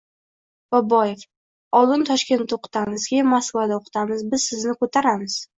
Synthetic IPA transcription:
b̥ɒbɒjef | ɒlˠɪnt̪ʰɒʃkʲe̞nt̪oqɨ̥t̪ʰamɪzɡʲamːaskvad̪aoqʰɨ̥t̪ʰamɪzbɪzsɪznɪkʰot̪ʰaɾamɪz̥

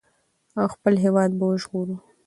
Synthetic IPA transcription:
awxpəlɦewɑd̪̚bawəʒɣoɾu

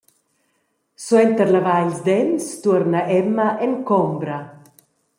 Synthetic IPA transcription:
swɛnt̪əɾlavajlzd̪ɛmst̪uɾnaʔɛmːaʔɛŋkɔmbɾɐ

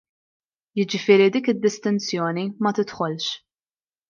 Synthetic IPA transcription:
jɪd͡ʒɪfɪːɾid̪iːkɪd̪ːɪst̪ɪnt͡sjɔːnimɐt̪ɪt̪ħɔlʃ

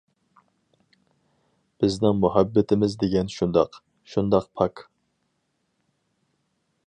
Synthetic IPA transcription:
b̥ɪznɪŋmuɦæbːɪt̪ʰɪmɪzd̪eɡʲɛnʃund̪ɑ̰q | ʃund̪ɑq̚pʰɑk

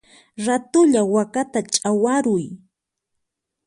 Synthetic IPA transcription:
ɾat̪ʊʎawakat̪at͡ʃʼawaɾʊj

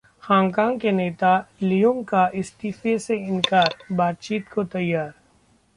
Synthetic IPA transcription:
xaːŋkãːŋɡkeneːt̪alijʊ̃ŋkaɪst̪iːfeseɪnkaːɾbaːt̪̚t͡ʃiːt̪kʰot̪ɐjːaːɾ

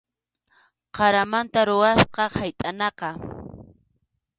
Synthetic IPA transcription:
qɑɾamant̪aɾʊwasqɑhajt̪ʼanɑqɑ

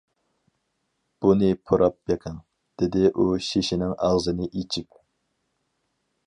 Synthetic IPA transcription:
b̥unɪpʰuɾʔɑp̚beqʰəŋ | d̪̥ɪd̪ɪʔuʃiʃinɪŋɑʁzɨnɪʔit͡ʃʰikʲ

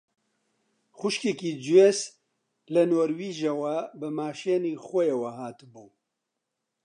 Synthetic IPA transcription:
xʊʃkekiːd͡ʒuwes | lɨnoːɾwiːʒawabɨmaːʃeːniːxʷɔjewɐɦaːt̪ɨbuː

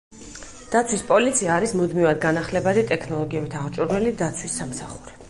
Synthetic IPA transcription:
d̪̥at̪sʰwispʼɔlit̪sʰiaːɾismud̪mivad̪̚ɡanaχlɛbad̪it̪ʼɛkʰnɔlˠɔɡiɛbit̪ʰaʁt͡ʃʼuɾnɛlid̪at̪sʰwisːamsaχuɾi

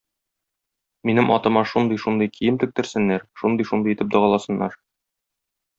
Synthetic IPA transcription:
minɘmʔɒt̪ɤ̆mɑʃund̪ɤjʃund̪ɤjkʰijɘmt̪ɘ̆k̚t̪ɘ̆ɾsɘ̆nːæɾʃund̪ɤjʃund̪ɤjit̪ɘp̚d̪ɒʁɑlˠɑsɤ̆nːɑ̰ɾ

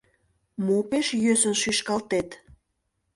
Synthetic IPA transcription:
mopeʃjøsənʃyʃkɑlt̪et̪

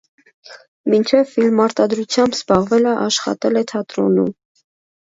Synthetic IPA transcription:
mint͡ʃʰɛvfilmːɑɾt̪ɑd̪ɾut͡sʰjɑmbzbɑʁvɛləʔɑʃχɑ̰t̪ɛlɛt̪ʰɑt̪ɾɔ̰num

